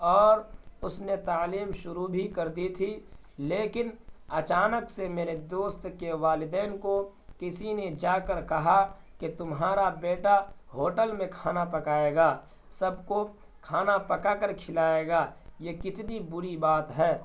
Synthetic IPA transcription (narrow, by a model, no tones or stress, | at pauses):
ɔːɾʊsnet̪aːliːmʃʊɾubʱikɐɾd̪it̪ʰi | leːkɪnɐt͡ʃaːnəksemeːɾed̪oːst̪keʋaːlɪd̪ɛːnko | kɪsined͡ʒaːkəɾkɐɦa | ket̪ʊmɦaːɾabeːʈaɦoːʈəlmẽkʰaːnapɐkaːeːɡaː | sɐbko | kʰaːnapɐkakəɾkʰɪlaːeːɡaːjekɪt̪nibʊɾibaːt̪ɦɛː